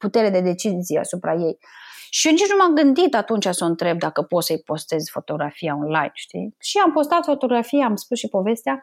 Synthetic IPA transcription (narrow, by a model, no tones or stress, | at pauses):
put̪e̞ɾe̞d̪e̞d̪e̞t͡ʃizijea̰supɾaje̞j | ʃionit͡ʃnumamɡɨnd̪it̪at̪unt͡ʃʲasəɨnt̪ɾe̞b̚d̪akəpo̞t̪səjpo̞st̪e̞zfo̞t̪o̞ɡɾafijao̞nlajnʃt̪ḭʃiampo̞st̪at̪fo̞t̪o̞ɡɾafijaːmspusʃipo̞ve̞st̪ea